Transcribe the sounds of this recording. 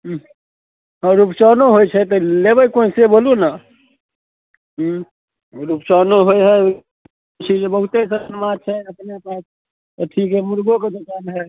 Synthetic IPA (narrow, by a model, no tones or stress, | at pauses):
əɾupt͡ʃɔnoɦojt͡ʃʰɛt̪ɔlebəjkoĩseboluna | ɦ | ɾupt͡ʃɔnoɦojɦɛ | t͡ʃʰid͡ʒebəɦut̪esənmat͡ʃʰɛəpnepas | əʈʰikemuɾɡoked͡ʒəkanɦɛ